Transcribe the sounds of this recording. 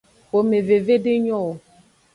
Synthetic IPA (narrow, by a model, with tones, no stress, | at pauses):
o˨me˨ve˨ve˦ɖe˦ɲɔ˦˨o˨